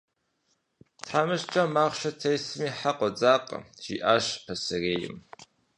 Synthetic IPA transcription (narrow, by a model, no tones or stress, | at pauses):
tʰħaːmɨʃt͡ʃʼɐmaːχʷʃɐtʰɐjsɨmiːħaqʷʼɔd͡zʼaːqʼə̰ʒ̥ḭːʔaːʃpʰɐsɨreːjɪ̰m